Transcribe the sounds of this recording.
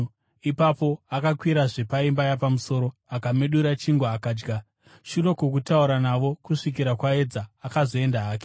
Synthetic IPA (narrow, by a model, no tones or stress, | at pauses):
ipapo̞akakwiɾaʐe̞paimbajapamuso̞ɾo̞akameɗuɾat͡ʃiŋɡwaakaːd͡ʒɡa | ʃuro̞kokutauɾanaʋo̞kuʂik̬iɾakwae̞d͡zaːkazo̞e̞ndaaːke̥